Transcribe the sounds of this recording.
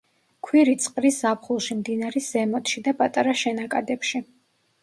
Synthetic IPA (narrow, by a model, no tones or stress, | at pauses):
kʰwiɾit̪sʼqʼɾiszapʰχulˠʃimd̪inaɾisz̥ɛmɔt̪ʰʃid̪apʼat̪ʼaɾaʃɛnakʼad̪ɛpʃi